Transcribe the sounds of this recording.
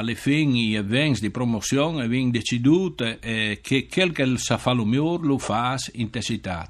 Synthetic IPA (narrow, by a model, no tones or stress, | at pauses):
alefiŋievɛŋsd̪ipɾomosjɔŋeviŋd̪et͡ʃid̪ut̪ekʰekʰelkelsafalumjoɾlufasint̪esit̪a̰t̪